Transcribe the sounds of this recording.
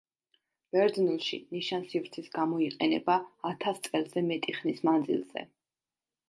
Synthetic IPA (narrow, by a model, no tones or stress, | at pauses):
b̥ɛɾd̪nulˠʃḭniʃansivɾt̪sʰisɡamɔiqʼɛnɛ̰baːt̪ʰast̪sʼɛlˠzɛmɛt̪ʼiχnismand̪zḭlˠz̥ɛ̰